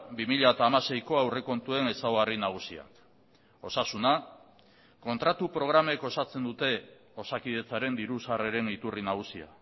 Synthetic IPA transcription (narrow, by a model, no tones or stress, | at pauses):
bimiʎaet̪aːmase̞jko̞awreko̞nt̪ue̞ne̞saoɣarinaɣ̞usia̰k | o̞sasuna | ko̞nt̪ɾat̪upɾo̞ɣɾame̞ko̞sat͡se̞nd̪ut̪e̞ | o̞sakið̞e̞t͡saɾe̞nd̪iɾusɣareɾe̞nit̪urinaɣ̞usia̰